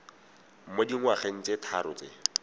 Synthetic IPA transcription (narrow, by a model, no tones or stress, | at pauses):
m̩modiŋ̩waχen̩t͡setʰaɾʊt͡se